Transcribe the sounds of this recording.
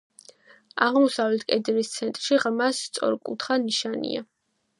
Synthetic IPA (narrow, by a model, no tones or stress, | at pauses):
aʁmɔsavlɛt̪ʰkʼɛd̪ɾist̪sʰɛnt̪ʼɾʃiʁmasːt̪sʼɔ̰ɾkʼṵt̪ʰχaniʃanḭa